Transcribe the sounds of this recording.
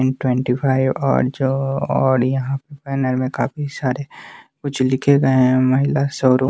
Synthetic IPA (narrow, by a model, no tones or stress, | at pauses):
nʈwɛ̃ɳʈipʰaːɪʋɔ̰ːɾd͡ʒoɔːɾjɐɦãpɐɾpɛːnəɾmẽkaːpisaːɾekʊt͡ʃʰlɪkʰeɡɐeɦɛ̃mɐɦɪlasɔːɾo